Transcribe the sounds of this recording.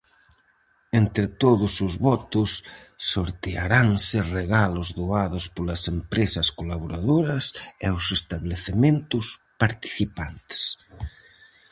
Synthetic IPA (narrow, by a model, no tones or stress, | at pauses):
ent̪ɾɪt̪oðʊsʊzβɔt̪ʊsː | oɾt̪eaɾaŋsɪreɣalʊzðoaðʊspolɐsempɾesɐskolaβoɾaðoɾɐsɛʊsest̪aβleθemẽnt̪ʊspaɾt̪i̥θipant̪e̥s